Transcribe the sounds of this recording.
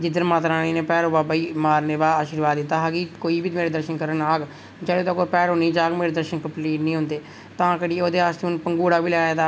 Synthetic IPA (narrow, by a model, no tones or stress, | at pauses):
d͡ʒɪd̪əɾmãːt̪ɾaːniːneːpɛːɾoːbaːbaːiːmaːɾneːbaːaːʃɪɾʋaːd̪ːɪt̪aːɦaːɡiːkoːiːbiːt̪meːɾeːd̪əɾʃənkəɾənaːɡ | d͡ʒəːɽeːd̪aːkoːpɛːɾɦõːniːd͡ʒaːɡmeːɾeːd̪əɾʃənkəmpliːʈnĩːɦʊ̃nd̪eː | t̪ãːkəɽioːd̪eːaːst̪eːʊnpəŋɡuːɽaːʋiːlɛːaːd̪aː